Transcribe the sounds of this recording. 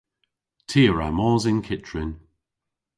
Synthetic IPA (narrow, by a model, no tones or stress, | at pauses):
tʰiːəɹa̰mɔːzɪnkʰɪtɹɪn